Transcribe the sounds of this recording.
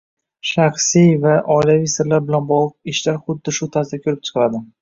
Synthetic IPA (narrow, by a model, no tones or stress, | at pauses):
ʃɑχsijvaʔɒɪlavijsɪɾlaɾbɪlanbɒlˠɨq̚ɪʃlaɾχʊd̪ːɪʃʊt̪ʰazɪkʰʲɵɾɪp̚t͡ʃʰɨ̥qɾad̪ɪ